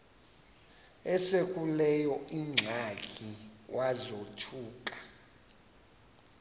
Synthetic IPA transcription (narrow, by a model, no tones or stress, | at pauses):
ɛsekʼulɛjɔiŋ͡ǀʱakʰʼiwʔazotʰuːkʼḁ